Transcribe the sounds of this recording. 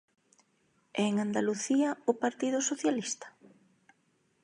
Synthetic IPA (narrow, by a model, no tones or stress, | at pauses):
ɛeŋand̪aluθiɐʊpaɾt̪iðʊsoθjalist̪ɐ̥